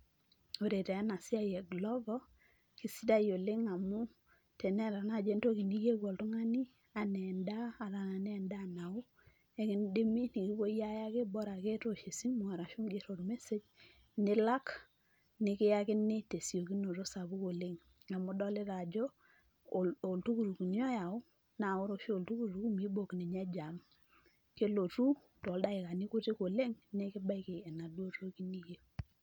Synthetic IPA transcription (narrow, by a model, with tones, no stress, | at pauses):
o˨ɾe˨tɛ˨a˦na˨si˦a˦˨jɛ˨ɡlɔ˦vɔ˦ | ki˨si˦da˦jo˨le˦ŋa˨mu˦ | te˨ne˦˨ɾa˨na˦˨d͡ʒe˦nto˦ki˨ni˦je˦ɡo˨ltu˦ŋa˦ni˦ | a˨nɛ˨ndaː˦˨ɾa˨na˨nɛ˦nda˦˨na˨u˦ | e˦ki˦n˦de˦mi˦ni˨ki˦bo˦ja˦ja˦ke˦bɔ˦ɾa˨ke˦to˨ʃe˨si˦mʊ˨ŋa˨ɾa˨ʃu˦mɡe˨ɾo˨ɾme˦se˦d͡ʒ | nɪ˦la˦k | nɪ˨˦kɪ˦ja˦kɪ˦ni˦te˨si˨o˨ki˦no˨ɾo˦sa˨bu˦ko˨le˦ŋ | a˨mu˦dɔ˦le˦ɾa˨d͡ʒo˦˨ | o˨ltu˦ku˨ɾu˨ku˨ni˦ɔ˦ja˨u˦ | na˨o˦ɾo˦ʃo˨ltu˦ku˦˨ɾu˨˦ku˦mi˦bo˨kni˨ɲa˦d͡ʒa˨m | ke˦lo˨tu˦ | to˨lda˦i˨ka˨ni˦ku˦ti˦ko˨le˦ŋne˦ki˦ba˦i˨ke˨e˨na˨dwo˦to˦ki˦ni˦je˦